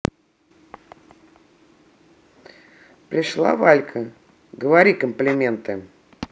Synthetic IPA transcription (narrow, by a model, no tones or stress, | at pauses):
pɾʲɪʂlˠa̰valʲkʰə | ɡəvaɾʲikəmplʲɪmʲent̪ɨ